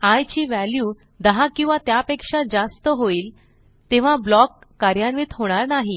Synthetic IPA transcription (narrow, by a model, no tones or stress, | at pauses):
ajt͡ɕiːʋæljuː | d̪əɦãkĩw̃ʋat̪japekʂad͡zast̪əɦoiːl | t̪eʋ̤ablɔkːaɾjanʋit̪ɦoɽ̃aɾnaɦi